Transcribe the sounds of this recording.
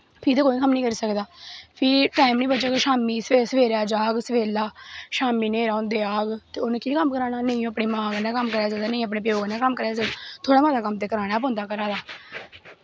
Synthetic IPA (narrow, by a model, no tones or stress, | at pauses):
pʰɪɾt̪eːkoːiːkəmnĩːkəɾiːsəkd̪aːpʰɪɾʈaːimnĩːbət͡ʃaːkeʃaːmiːsesəʋeːɾaːd͡ʒaːɡsəʋeːlaːʃaːmiːneːɾaːʊnd̪eːaːɡt̪eːʊnːkeːkəmkəɾaːnaːnəĩːõːpɽeːmãːɡnaːkəmkəɾaːsad̪aːnĩːəp̬nẽːp̬əjoːɡnaːkəmkəɾaːsd̪t̪ʰoːɽaːmaːt̪aːkəmt̪eːkəɾaːɽ̃aːpõːnd̪aːkəɾaːd̪aː